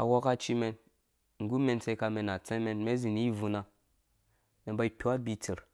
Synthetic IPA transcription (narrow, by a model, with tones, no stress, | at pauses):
a̰˨wo˦ka˦t͡ʃi˦me˨n | ŋ̩˨ɡu˦me˨nt͡se˦ka˨˧me˨na˨t͡sẽ˦me˦nme˦zi˨n˦vu˨na˨ | me˨ba˦i˦pʲu˦a˦bi˦t͡si˨ɾ